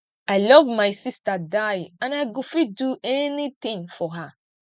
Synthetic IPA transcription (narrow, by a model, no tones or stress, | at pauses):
ajlɔvmajsistadajãnajɡofiduʔɛnit̪ĩŋfɔɦa